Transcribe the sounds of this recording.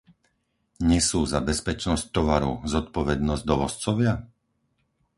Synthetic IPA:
ɲɛsuːzabɛspɛt͡ʃnɔsc̚t̪ɔʋaɾṵzɔt̪pɔʋɛd̪nɔzɟd̪ɔʋɔst͡sɔʋɪa

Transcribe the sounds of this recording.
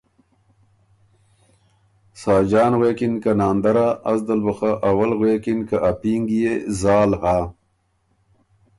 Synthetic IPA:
sɑːd͡ʒɑːnɣweːkinkanɑːnd̪aɾaːsd̪əlbəxaʔawalɣwekinkaʔapiŋɡjezɑːlha

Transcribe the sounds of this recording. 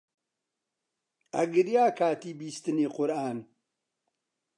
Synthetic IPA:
ɐ̰ɡɨɾjaːkʰaːt̪iːbiːst̪ɨniːqʊɾʔaːn

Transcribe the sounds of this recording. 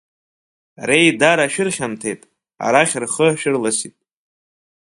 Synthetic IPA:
rejdaɾaʃᶣɪrχʲamtʰejtʼ | a̰ɾaχʲrχəʃᶣɪrlasitʼ

